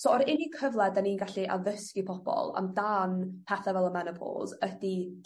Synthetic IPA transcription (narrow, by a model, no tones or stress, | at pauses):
soɔɾɪnikʰəvlˠɛdaniːnɡaɬiʔa̰ðəskipʰɔb̥ɔ̰lˠa̰mdanpʰɛθavɛlˠəmɛnəpʰɔ̰lˠzədi